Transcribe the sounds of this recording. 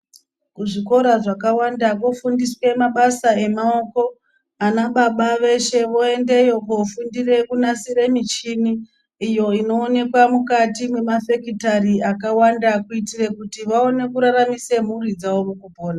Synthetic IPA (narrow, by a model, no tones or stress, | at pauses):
kuʐiko̞ɾaʐakawandakofundiswe̞maɓasae̞mao̞ko̞ | anaɓaɓaʋe̞ʃe̞ʋo̞e̞nde̞jo̞kofundire̞kunasire̞mit͡ʃiniː | jo̞ino̞ːne̞kwamukatimwe̞mafe̞kitariakawandakuitire̞kutiʋao̞ne̞kuɾaramise̞murid͡zawomukupo̞ːna